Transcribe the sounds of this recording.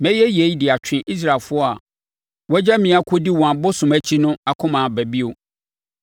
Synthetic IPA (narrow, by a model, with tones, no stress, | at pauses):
mɛ̃˦jɛ˦je˨˦i˦dɪ˨a˨t͡ɕʰᶣɪ̃˨ʔi˦s̬ɾa˨lfʊ˦ɔ˦a˨ | wɔ˦d͡ʑa˦mĩ˨a˨kʰo˦di˦wɔ̃˨ã˨bo˦sʊ̃˨mæ˦t͡ɕʰi˦nʊ̃˦a˨kʰʊ̃˦mã˨bæ˨bi˦o˨